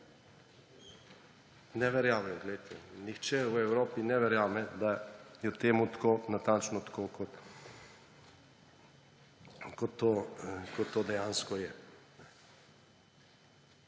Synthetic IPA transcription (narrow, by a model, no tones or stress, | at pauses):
nɛʋɛɾjaːʋɛjɔɡlɛjt̪ʰɛnixt͡ʃɛwɛwɾoːpinɛʋɛɾjaːmɛd̪ajɛt̪eːmut̪ḁkoːnat̪ant͡ʃnɔt̪ḁkokɔt̪ | kɔt̪ʰːokɔt̪ːoːd̪ɛjaːnskɔjɛnɛ